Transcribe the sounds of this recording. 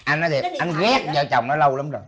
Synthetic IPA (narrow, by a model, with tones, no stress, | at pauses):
ʔa˧nːɔ˨˦t̪ʰi˨˩ʔa˧jnɣɛ˦˥k̚zə̰ː˧˩t͡ɕa̰˨˩wŋ͡mnɔ˨˦lə˧wla˨˦mzo˨˩j